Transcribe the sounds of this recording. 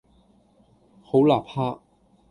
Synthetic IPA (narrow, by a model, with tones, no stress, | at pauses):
ho˨˥wlaː˨˩pʰaː˥